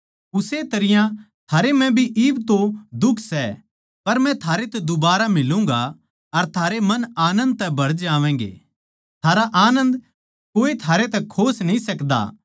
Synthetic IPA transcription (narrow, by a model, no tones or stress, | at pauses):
ʊset̪ɐɾɪjã | t̪ʰaːɾemɛ̃bʱiʔiːbt̪od̪ʊkʰsɛ | pɐɾmɛ̃t̪ʰaːɾet̪ɛd̪ʊbaːɾamɪlũːŋɡa | ɐɾt̪ʰaːɾemɐnaːnə̃nd̪̚t̪ɛbʱɐɽd͡ʒaːʋɛ̃ːŋɡḛː | t̪ʰaːɾaʔaːnə̃nd̪ | koːet̪ʰaːɾet̪ɛkʰoːsnɐĩsɐkd̪a̰ː